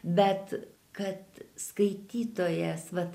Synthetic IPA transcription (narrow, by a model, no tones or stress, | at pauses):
bʲɛt̪ | kɐt̪skɐɪt̪ʲiːt̪oːjɛsʋɐ